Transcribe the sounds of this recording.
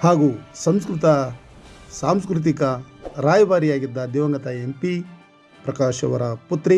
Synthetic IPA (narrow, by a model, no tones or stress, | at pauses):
haːɡuːsɐmskɾut̪ɐ | saːmskɾut̪̬ikɐɾaːjɐʋaːɾijaːɡid̪ːɐd̪ɛːʋɐŋɡɐt̪ɐempi | pɾɐkaːʃɐʋɐ̰ɾɐput̪ɾi